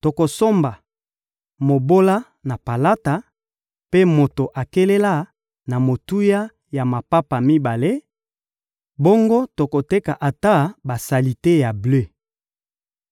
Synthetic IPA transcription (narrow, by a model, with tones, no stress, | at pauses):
to˨ko˨so˦mba˨ | mo˨bo˦la˦ | na˨pa˨la˦ta˨ | pe˦mo˨to˨ʔa˨ke˦le˦la˦ | na˨mo˨tu˦ja˦ | ja˨ma˨pa˦pa˨mi˦ba˨le˦ | bo˦ŋɡo˦to˨ko˨te˦ka˨ʔa˨ta˦ba˨sa˨li˨te˦ja˨blø˦